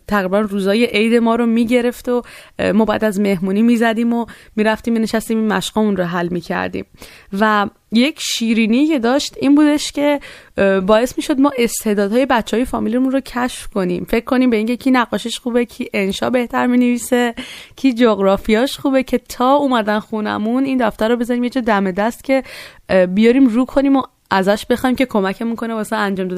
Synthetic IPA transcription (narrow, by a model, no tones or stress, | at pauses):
t̪ʰæɣɾibænruːzɒːjeʔejd̪e̞mɒːɾomiːɟe̞ɾe̞ft̪omɔːbæ̰æ̰d̪æzme̞hmuːniːmiːzæd̪iːmo̞miːɾæft̪iːmːineʃæst̪iːmimːæʃɡ̥ɒmunroɦælmiːcʰæ̰ɾd̪ḭːmvæ | je̞cʰʃiːɾiːniːcʰe̞d̪ɒːʃt̪iːnbuːd̪e̞ʃcʰe̞ | bɒːe̞smiːʃo̞d̪mɒːʔe̞st̪ʰe̞d̪ɒːd̪hɒːje̞bætt͡ʃʰːeɒːje̞fɒːmilemunrocʰæʃfko̞nḭmfe̞cʰːo̞niːmbe̞iːŋcʰe̞cʰiːnæɣɒːʃeʃχuːbecʰiːʔenʃɒ̰ːbe̞ht̪æɾmineviːse̞cʰiːd͡ʒoɣɾɒːfijɒːʃxuːbe̞cʰe̞t̪ʰɒːumæd̪ænxunæ̰muniːnd̪æft̪æɾobe̞zɒɾiːmjed͡ʒɒːd̪æme̞d̪æst̪cʰʲe̞ | bijɒɾiːmruːkʰo̞niːmo | æzæʃb̥e̞xɒːiːmcʰe̞kʰo̞mæcʰemunkʰo̞nebɒːseænd͡ʒɒːmd̪ɒd̪